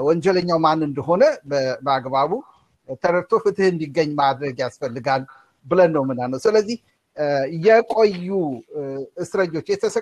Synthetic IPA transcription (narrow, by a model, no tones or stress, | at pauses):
wɔɲd͡ʒɛləɲːawmanːɨnd̪əɦo̞nəbəbəaɡbaβu | t̪ʰəɾəɾt̪ʰo̞fɨt̪ʰɨhɨnd̪iɡːəɲːmad̪ɾəɡjasfəlːɨɡal | bɨlənːəwmɨnanːəwsɨləzːih | jɛkʼojːu | ɨsɾəɲːo̞t͡ʃːjɛt̪ʰəsə